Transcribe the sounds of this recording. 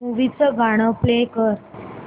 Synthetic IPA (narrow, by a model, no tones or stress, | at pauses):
uʋit͡səɡaɽ̃əplekəɾ